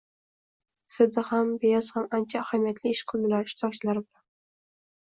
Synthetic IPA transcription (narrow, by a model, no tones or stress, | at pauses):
sɪd̪ɪhambejɒz̥hamant͡ʃʰaːhamijat̪ʰlɪɪʃqʰɨlˠnɪlaɾɪʃt̪ʰɒk̚t͡ʃʰɪlaɾɪbɪlan